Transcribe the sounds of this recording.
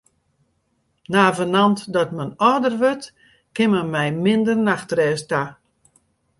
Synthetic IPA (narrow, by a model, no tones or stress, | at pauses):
naːvənantdɔtmənɔrdərʋøt | kɪməmɛjmɪndərnaxtrɛːsta